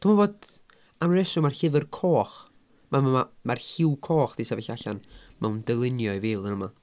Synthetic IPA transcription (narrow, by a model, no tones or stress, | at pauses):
tʰɔmaboːd | amrɛsɔmarɬɪvɪrkʰoːχ | maamarɬɪwkʰoːχd̥isavɛɬaɬa̰nmawndɛlˠɪnjɔjviːlˠənəma